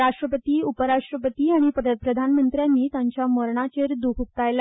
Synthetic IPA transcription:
ɾaʂʈɾəpət̪iːupəɾaʂʈɾəpət̪iːaɽ̃ippɾəd̪ʱanmənt̪ɾjanːiːt̪jaɲt͡ɕjaməɾɳat͡ɕeɾd̪ukʰuk̚t̪ajla

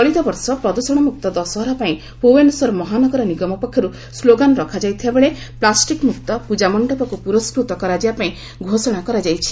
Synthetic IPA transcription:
ɔɭit̪ɔbɔɾsɔpɾɔd̪usɔɽ̃ɔmuk̚t̪ɔd̪ɔsɔɦɔɾɔpaĩ | poensɔɾɔmɔɦanɔɡɔɾɔniɡɔmɔpɔkʰjɔɾu | sloɡanɔɾɔkʰad͡ʒajt̪ʰibabeɭe | plasʈikmukt̪ɔpud͡ʒamɔɳɖɔpakupuɾɔskɾut̪ɔkɔɾad͡ʒibapaĩ | ɡʱosɔɽ̃akɔɾad͡ʒajt͡ʃʰi̥

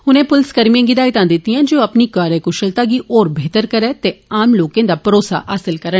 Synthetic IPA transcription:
hʊnẽːpʊlskəɾmijãːɡɪd̪aːit̪ãːnd̪ɪt̪ːijãːd͡ʒoːəpnikaːɾekʊʃəlt̪aːɡiːʔɔːɾbʱeːt̪əɾkəɾɛːt̪eaːmloːkẽːd̪aːpəɾoːsa̰ːʔaːsɪlkəɾə

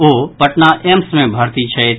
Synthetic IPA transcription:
opəʈnaʔemsmẽbʱəɾt̪it͡ʃʰɛ

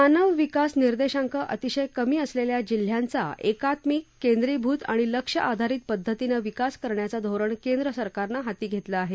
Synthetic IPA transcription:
anəʋʋikasniɾd̪eɕaŋkəʔət̪iɕəjkəmiːəsleljad͡ʑil̤ːjant͡sa̰ʔekat̪miːkːend̪ɾibʱuːt̪a̰ɽ̃iləkʂəʔad̪ʱaɾiːt̪̚pəd̪ʱːət̪inəʋikaskəɾɳjat͡sad̪ʱoɾəɳkend̪ɾəsəɾkaɾnaɦat̪iːɡʱet̪ləːɦe

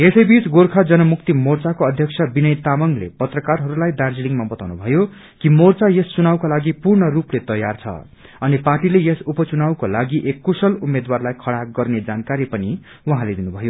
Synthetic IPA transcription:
esʌjbit͡sɡorkʰad͡zʌnʌmukt̪imort͡sakoʌd̪ʱjʌk̚sʰʌbinʌjt̪amʌŋlḛpʌt̪rʌkarɦʌɾulajd̪ard͡ziliŋmabʌt̪awnubʱʌjo | kimort͡sajesːunawkolaɡipurɳʌruplet̪ʌjːart͡sʰʌ̰ | ʌniparʈilejesupʌt͡sunawkolaɡiʔekːusʌlumed̪warlajkʰʌɽaɡʌrned͡zankaɾipʌni | wʌɦãled̪inubʱʌjo

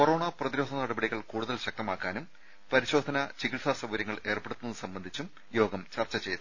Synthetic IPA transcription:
koro̞ːɳɐprɐðiɾo̞ːd̪ʱɐnɐɽɐbɐɽiɣɐɭkuːɽuðɐlɕɐk̚t̪ɐmaːkːaːnum | pɐɾiɕo̞ːd̪ʱɐnɐt͡ɕiɣiɭsaːsɐbɐɾjɐŋːɐɭe̞ːrpeɽut̪ːunːɐnːɨsɐmbɐnd̪ʱit͡ɕːum | jo̞ːɡɐmt͡ɕɐrt͡ɕːɐt͡ɕe̞jt̪u

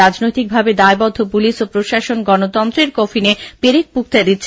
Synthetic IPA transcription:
ad͡ʑnojt̪ik̚bʱabed̪aebɔd̪ʱːopuliʃopɾoʃaʃonɡɔnot̪ɔnt̪ɾeɾkɔfʰinepeɾek̚puk̚t̪ad̪it̪ːɕʰ

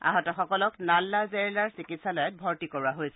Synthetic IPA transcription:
a̰ɦɔtɔxɔkɔlɔknalːazeɹilaɹsikitsalɔjɔt̚bʱɔɹtikɔɹuaɦojsɛ

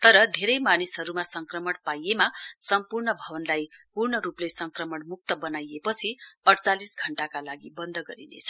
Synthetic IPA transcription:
t̪ʌɾʌd̪ʱeɾʌjmanisɦʌɾumasʌŋkrʌmʌɽpajemasʌmpurɳʌbʱʌbʌnlajpurɳʌɾuplesʌŋkrʌmʌɽmuk̚t̪ʌbʌnajepʌt͡sʰiʌʈʰt͡salisɡʱʌɳʈakalaɡibʌnd̪ʱʌɡʌɾinḛt͡sʰʌ̥

